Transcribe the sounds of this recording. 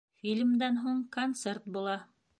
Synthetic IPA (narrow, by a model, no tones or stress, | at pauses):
fʲilʲmd̪ænɦuɴkont̪sert̪̚bulˠɑ